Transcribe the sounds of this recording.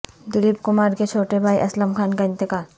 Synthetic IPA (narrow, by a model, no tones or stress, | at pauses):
d̪ʊlipkʊmaːɾket͡ʃʰoːʈebʱaːjʔɐslɐmkʰaːnkɐnt̪eka